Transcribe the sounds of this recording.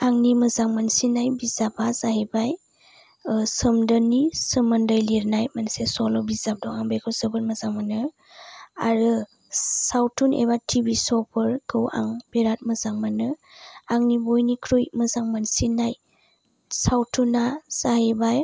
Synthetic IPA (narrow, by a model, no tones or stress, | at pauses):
aŋniməzaŋmansinajbizabʰazaɦibaj | sɯmdənːisɯmɯndəjliɾnajmansesɔlɔbizap̚dɔŋaŋbekʰɯwsɯbɯɾməzaŋmanɯ | a̰ɾɯ | sawtʰunḛbatʰibisɔpʰɯɾkʰɯwʔa̰ŋb̥eɾat̚mɐzaŋmanɯaŋnibojnikʰɾujməzaŋmansinaj | sawtʰunaz̥ahebaj